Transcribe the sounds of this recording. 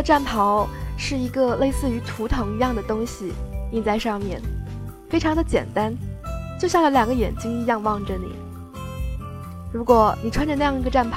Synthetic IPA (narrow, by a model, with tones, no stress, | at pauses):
ʈ͡ʂa˥˩npʰɑ˧˥ʊʂɻ̩˥˩i˧˥ɡə˧le˥˧ɪsɹ̩˥˩y˧˥t̪ʰu˧˥t̪ʰɤ˧˥ŋi˧˥jɑ˥˩ŋd̪ə˩t̪ʊ˥ŋɕi˨i˥˩t͡sa˥˧ɪʂɑ˥˧ŋmjɛ˥˩n | fe˥ɪʈ͡ʂʰɑ˧˥ŋd̪ə˧t͡ɕjɛ̰˨˩nt̪a˥nt͡ɕjo˥˧ʊɕjɑ˥˩ŋlə˧˩ljɑ˨˩ŋɡə˦jɛ̰˨˩nt͡ɕi˥ŋi˧˥jɑ˥˧ŋwɑ˥˩ŋʈ͡ʂə˩nḭ˨˩˦ | ɻu˧˥kwɔ˨˩ni˨˩ʈ͡ʂʰwa˥nʈ͡ʂə˧na˥˧jɑ˥˩ŋi˧˥ɡə˧ʈ͡ʂa˥˩npʰ